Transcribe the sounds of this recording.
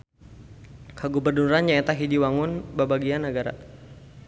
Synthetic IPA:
kaɡubərnuɾanjaɛt̪aɦidiwaŋʊnbabaɡianːaɡaɾa̰

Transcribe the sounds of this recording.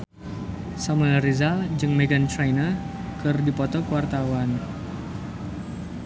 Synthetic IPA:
samulaɾizald͡ʒɨŋmɛɡant̪ɾajnə | kɨrdipɔt̪ɔkəwart̪awan

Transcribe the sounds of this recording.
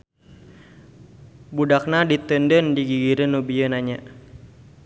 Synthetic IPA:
budak̚nadit̪əndəndiɡiɡiɾənubiənaɲa

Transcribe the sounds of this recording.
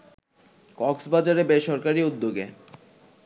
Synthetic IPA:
kɔksbad͡ʑaɾebeʃɔɾkaɾiud̪ːoɡe

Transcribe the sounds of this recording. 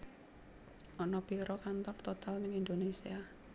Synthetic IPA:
ʔɔnɔpiɾɔkant̪ɔrt̪ot̪alnəŋind̪onesḭa

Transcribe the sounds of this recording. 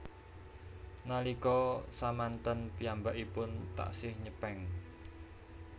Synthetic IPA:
nalikɔsamant̪ənpiambaʔipʊnt̪a̰ʔsɪhɲəpɛŋ

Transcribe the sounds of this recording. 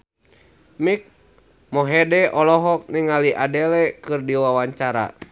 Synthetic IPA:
mik̚ | mɔɦɛdɛʔɔlɔɦɔk̚niŋaliʔadɛlɛkɨrdiwawaɲt͡ʃaɾa̰

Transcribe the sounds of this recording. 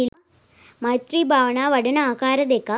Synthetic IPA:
il | mɐt̪ribʱaːʋɐnaːʋɐɽɐnɐaːkaːɾɐd̪ekːa

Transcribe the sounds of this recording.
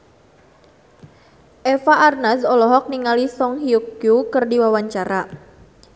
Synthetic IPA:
ʔɛfaʔarnasɔlɔɦɔk̚niŋalisɔŋɦiukjukɨrdiwawaɲt͡ʃaɾa

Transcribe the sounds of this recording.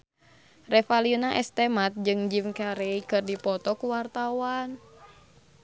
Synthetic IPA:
rɛfaliunaʔɛst̪ɛmat̪̚d͡ʒɨŋd͡ʒimkaɾɛikɨrdipɔt̪ɔkuwart̪awan

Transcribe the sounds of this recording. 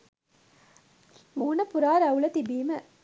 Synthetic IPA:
muːnɐpuɾaːɾɐulɐt̪ibiːmɐ

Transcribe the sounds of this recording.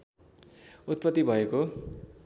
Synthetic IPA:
ut̪̚pʌt̪ːibʱʌeko

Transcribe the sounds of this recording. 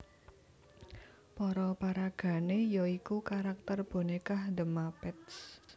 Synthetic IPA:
pɔɾɔpaɾaɡ̥a̤nejoikukaɾak̚t̪ərb̥o̤nekahdəmapɪt̪s

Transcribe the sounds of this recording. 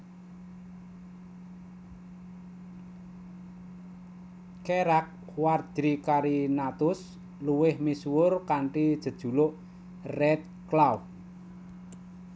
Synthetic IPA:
keɾak̚ | ward̥ɾikaɾinat̪ʊs | luwɪhmiswʊrkaɳʈid̥ʒ̥ə̤d̥ʒ̥ṳlʊʔ | rɛt̪̚klaw

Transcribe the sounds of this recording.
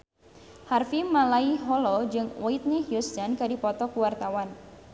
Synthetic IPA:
harfimalaiɦɔlɔd͡ʒɨŋwʔɔit̪̚neɦjust̪ankadipɔt̪ɔkuwart̪awan

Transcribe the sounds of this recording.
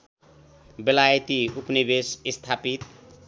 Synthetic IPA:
belajt̪iupnibesist̪ʰapit̪

